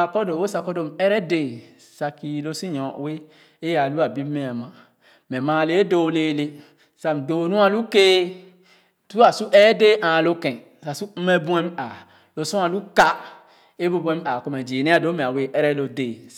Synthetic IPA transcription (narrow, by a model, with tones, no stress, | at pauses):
a˨kɔ˦do˨wo˦sa˧kɔ˦do˨m˨ɛ˦ɾɛ˦de˨ | sa˧ki˨lo˦si˦ɲɔ̃˨we˦ | e˦ja˨lu˦a˨bi˦me˦a˨mã˨ | mɛ˨mã˨le˦do˦˨˦le˨le˦ | sa˨m˨do˨˦nũ˦a˦lu˦ke˦ | tu˦a˨su˦ʔɛ˦de˦ʔã˨lo˦kɛ̃˨n | sa˨su˦me˦bu˦ɛ˦m˦a˨ | lo˨sũ˦ã˨lu˦ka˦ | e˦bo˦bũ˦ɛ˦ma˨ko˨mɛ˨d͡ʒe˨ne˦a˨do˨˦me˨a˨we˨ʔɛ˦ɾɛ˦lo˨de˨